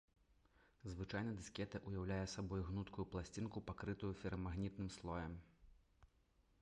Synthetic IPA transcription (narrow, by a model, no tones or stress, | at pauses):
zvɨt͡ʂajnɐd̪ɨskʲɛt̪ɐʔujawlʲajɛsabɔjɣnut̪kujuplˠasʲt͡sʲinkupakɾɨt̪ujufʲɛɾɐmaɣnʲit̪̚nɨmslˠɔjɐm